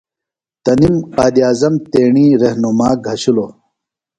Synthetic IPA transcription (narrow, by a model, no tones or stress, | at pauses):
t̪ɐnimqaːd̪iaːzɐmt̪eːɳiːɾɐhnumaːɡʱɐɕuloː